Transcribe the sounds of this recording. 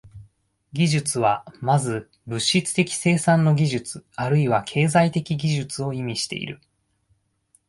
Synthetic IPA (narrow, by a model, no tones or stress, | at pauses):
ɡʲiʑɨt͡sɨβamazɨ | bɯ̟ɕːit͡sɨ̥t̪e̞kʲi̥se̞ːsãnːo̞ɡʲiʑɨt͡sɨaɾɯiβakʰe̞ːzait̪e̞kʲiɡʲiʑɨt͡sɨo̞imʲiɕi̥t̪e̞̰ḭɾɯ̟